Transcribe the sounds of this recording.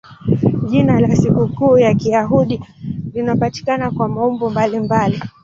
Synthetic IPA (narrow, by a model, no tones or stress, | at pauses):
ʄinalasikukuːjakiaɦuɗilinapati̥kanakwamaɔmbɔmbalimbali